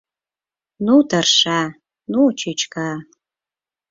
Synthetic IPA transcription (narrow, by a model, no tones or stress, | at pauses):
nudɐrʂaː | nut͡ʃʰit͡ʃka